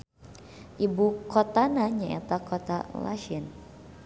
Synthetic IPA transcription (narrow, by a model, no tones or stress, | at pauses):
ʔibukɔt̪anaɲaɛt̪akɔt̪a̰la̰ʃin